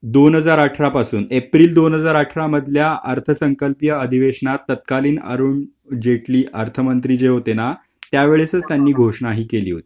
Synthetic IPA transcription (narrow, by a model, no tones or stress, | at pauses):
d̪onɦəd͡zaɾaʈʰɾapasṵːnepɾiːld̪onɦəd͡zaɾaʈʰɾaməd̪ʱljaəɾt̪ʰəsəŋkəlpjəəd̪ʱiʋeʂɳat̪ːət̪̚kaliːnə̰ɾuːɳ | d͡ʑeʈliːʔəɾt̪ʰəmənt̪ɾid͡ʑeɦot̪ena | t̪jaʋeɭesət͡st̪janːiːɡʱoʂɳ̃aɦiːkelḭːɦo̰t̪i̥ː